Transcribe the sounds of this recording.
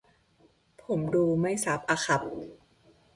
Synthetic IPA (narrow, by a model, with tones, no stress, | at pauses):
pʰo˩˦mduː˧ma˥˩jsa˦˥p̚ʔaː˧xʰa˨˦p̚